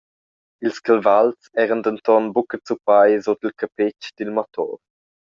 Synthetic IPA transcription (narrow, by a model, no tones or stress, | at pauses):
ilskəlvalt͡sɛːʁənd̪ənt̪ɔnbukət͡supajzotilkʰapɪt͡ʃd̥ilmɔt̪ʰɔ̰ʁ